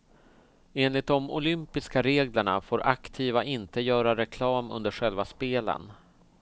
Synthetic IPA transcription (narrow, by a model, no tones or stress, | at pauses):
eːnlɪt̪̚d̪ɔmʊ̰lʏmpɪskaɾeːɡləɳa̰foːɾʔakt̪ʰiːvaʔɪnt̪əjœːɾaɾɛkʰlɑːmɵ̰nd̪əɾɧɛlvaspeːlə̰n